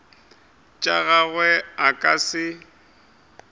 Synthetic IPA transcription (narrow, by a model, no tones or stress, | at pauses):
t͡ʃʼaɣaɣwɛakʼasɪ